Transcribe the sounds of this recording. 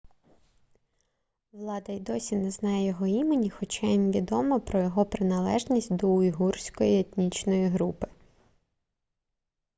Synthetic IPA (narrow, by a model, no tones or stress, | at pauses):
ʋlˠɑd̪ɐjd̪ɔsʲinɛznɑjɛjjɔɦɔimenʲixɔt͡ʃainʋʲid̪ɔmɔpɾɔjɔɦɔpɾɪnɐlˠɛʒnʲisʲtʲd̪ɔʊjɦursʲkɔjiet̪ʲnʲit͡ʃnɔjiɦɾupɪ̥